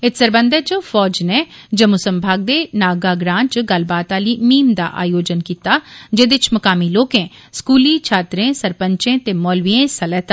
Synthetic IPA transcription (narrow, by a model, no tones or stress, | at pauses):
ɪt̪səɾbə̃nd̪ɛːd͡ʒoːfʰɔːd͡ʒneː | d͡ʒəmʊsəmbʱaːɡ̚d̪eːnaːɡaːɡɾãːnt͡ʃɡəlbaːt̪aːliːmiːnd̪a̰ːʔa̰ːjoːd͡ʒənkiːt̪aːd͡ʒeːd̪ɪt͡ʃməkaːmiːloːkẽːskuːliːt͡ʃʰaːt̪ɾẽːsəɾpəɲt͡ʃẽːt̪eːmɔːlʋiẽːsəlɛːt̪aː